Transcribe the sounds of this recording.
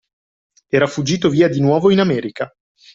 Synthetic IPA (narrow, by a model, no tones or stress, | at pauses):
ɛːɾafud͡ʒːiːt̪oviːad̪inwɔːvoinamɛːɾika